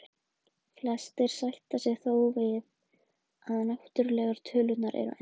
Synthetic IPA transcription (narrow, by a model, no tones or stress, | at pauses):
flɛst̪ɪɾ̥sajht̪asɛɣθoːwvɪð | aðnɛht̪ʏɾlɛːɣaɾ̥t̪ʰʏːlʏt̪naɾʔɛ̰ɾʏ̰ʔ